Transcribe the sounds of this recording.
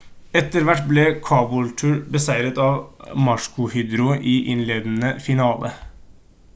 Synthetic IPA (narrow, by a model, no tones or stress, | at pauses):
ɛt̪ːəɾʋæʈːblɛkʰɑːbʊlt̪ʰʉːɾbəsæɪɾət̪ɑːʋmɑʂkʊhyːd̪ɾʊʔiʔɪnleːd̪n̩əfɪnɑːlʔə̰